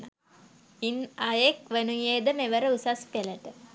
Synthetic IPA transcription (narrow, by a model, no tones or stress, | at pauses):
a | inajekʋenujeːd̪əmeʋəɾəusaspeləʈə